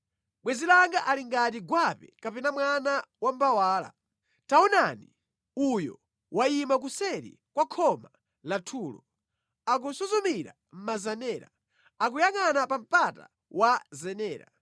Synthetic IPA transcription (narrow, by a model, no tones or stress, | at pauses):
ɓwɛzilaŋɡaʔaliŋɡat̬iɡwapɛkapɛnamwanawambawaːla̰ | taɔnani | ujɔ | wʔaimak̬usɛɾḭ | kwakʰɔma | latʰuːlɔ̰ | ak̬usuzumiɾa̰ | m̩mazanɛːɾa̰ | ak̬ujaŋanapam̩pata̰ | wazɛnɛːɾa̰